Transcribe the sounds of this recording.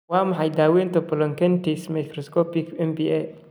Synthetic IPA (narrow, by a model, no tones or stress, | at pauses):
wɑːmɑħɑjd̪aːwɛːnt̪ɔpɔlɔŋkɛnt̪ismɐkrɔskʰɔpɪkʰɛmbiʔɛ